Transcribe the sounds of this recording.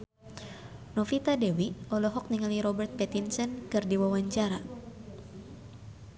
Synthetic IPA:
nɔfit̪adɛwiɔlɔɦɔk̚niŋaliɾɔbɛrt̪̚pɛt̪insɛnkɨrdiwawaɲt͡ʃaɾa

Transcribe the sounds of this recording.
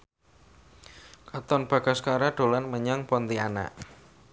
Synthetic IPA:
kat̪ɔnb̥a̤ɡ̥a̤skaɾaɖ̪̥o̤lanməɲaŋpɔnt̪iana̰ʔ

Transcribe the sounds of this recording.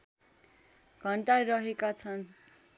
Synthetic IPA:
ɡ̥ʱʌɳʈaɾʌɦekat͡sʰʌn

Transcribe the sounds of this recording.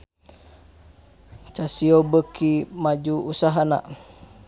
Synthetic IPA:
t͡ʃasiobəkʰimad͡ʒuusaɦana̰ʔ

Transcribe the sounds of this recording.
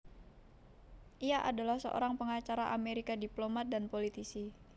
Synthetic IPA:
ʔiaʔa̰dalahsə̰ʔo̰ɾaŋpəŋat͡ʃaɾaʔameɾikadiplomat̪̚danpolit̪isi

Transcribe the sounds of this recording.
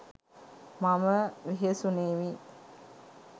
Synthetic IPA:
maməʋeɦesuneːʋi

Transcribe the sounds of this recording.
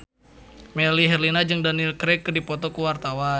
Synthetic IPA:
mɛliɦɛrlinad͡ʒɨŋdanilkɾɛkːdipɔt̪ɔkuwart̪awa

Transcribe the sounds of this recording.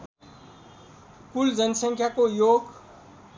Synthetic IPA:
puld͡zənsə̃ŋkʰjakojoːɡ

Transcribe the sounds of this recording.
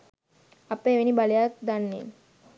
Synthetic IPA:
ɐpeʋenibalejak̚d̪anːḛ

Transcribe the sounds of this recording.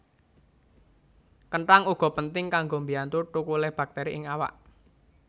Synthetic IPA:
kəɳʈaŋuɡ̥ɔ̤pənt̪ɪŋkaŋɡombiant̪uʈukulɛhb̥a̤k̚t̪ɛɾiʔɪŋawa̰ʔ

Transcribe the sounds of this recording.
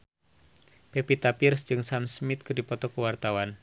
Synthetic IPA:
pepit̪apirsd͡ʒɨŋsamsmɪt̪̚kɨrdipɔt̪ɔkəwart̪awan

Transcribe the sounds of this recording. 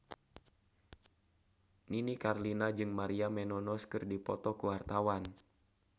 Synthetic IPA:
ninikarlinad͡ʒɨŋmaɾiamɛnɔnɔskɨrdipɔt̪ɔkuwart̪awan

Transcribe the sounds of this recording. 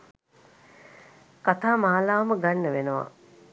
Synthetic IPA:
kat̪aːmaːlaːʋməɡanːəʋenəʋa̰

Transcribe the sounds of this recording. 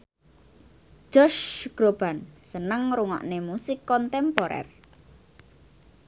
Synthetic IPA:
ʒ̥ɔʃɡ̥ɾob̥a̤nsənəŋɾuŋɔ̰ʔnemusɪkːɔnt̪ɛmpoɾɛ̰r

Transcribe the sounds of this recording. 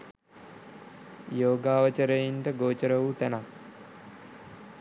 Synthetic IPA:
joːɡaːʋət͡ʃəɾejinʈəɡoːt͡ʃəɾəʋut̪æna

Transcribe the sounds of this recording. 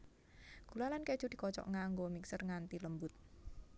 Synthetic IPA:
ɡ̥ulalanke̥ʒ̥ud̪̥i̤kɔt͡ʃɔ̰ʔŋaŋɡomiksərŋant̪iləmbʊt̪̚

